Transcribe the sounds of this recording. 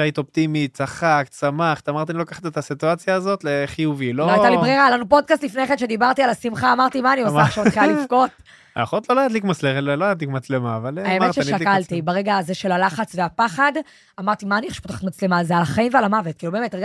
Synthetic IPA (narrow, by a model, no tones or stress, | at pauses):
ajt̪opt̪imitt͡saχaksamaχt̪amaʁt̪ianilokaχḁt̪et̪asit̪uat͡sjaːzo̞t̪leχijuviloaj̪alibʁeʁalanupo̞d̚kastlifne̞χenʃe̞d̪ibaʁt̪ialasimχaːmaʁt̪imaniaaχʃeaχijalifko̞t | aχot̪lolajadlikmat͡sleloajad̪likmat͡slemaːvalaemet͡ʃʃeʃakkalt̪ibaʁeɡaːzeʃe̞lalaχat͡sveapaχad | amaʁt̪imaːnieχʃe̥potaχḁt̪mat͡slemalzealaχaimvealamavet̪̚kiːlubemetʁeɡa